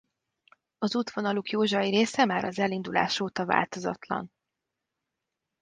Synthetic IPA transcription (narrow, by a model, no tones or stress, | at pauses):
ɒzut̪ʋonɒlukjoːʒɒiɾeːsɛmaːɾɒzɛlind̪ula̰ːʃoːt̪ɒva̰ːlt̪o̞zɒ̰t̪lɒ̰n